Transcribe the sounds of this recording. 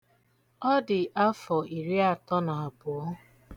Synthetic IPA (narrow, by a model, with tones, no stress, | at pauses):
ɔ˦dɪ˨ʔa˦fɔ˨i˨ɾi˦a˦˨tɔ˦na˨a˨pʊ˨˦